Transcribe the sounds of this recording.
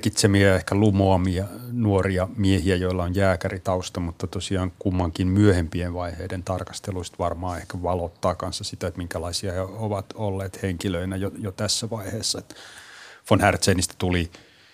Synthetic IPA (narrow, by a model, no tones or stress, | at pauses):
kit̪semiæehkælumoɑmiɑnuoriɑmiehiæjoilːɑonjæːkærit̪ɑust̪ɑmut̪ːɑt̪osiɑːŋkumːɑŋkimmyøhempienʋɑiheident̪ɑrkɑ̥st̪eluist̪ʋɑrmɑːehkæʋɑlot̪ːɑːkɑnsːɑsit̪æet̪miŋkælɑisiɑheoʋɑt̪olːeːt̪heŋkiløinæjojot̪æsːæʋɑiheːsːɑet̪ː | fonhært̪seːnist̪æ̥t̪uli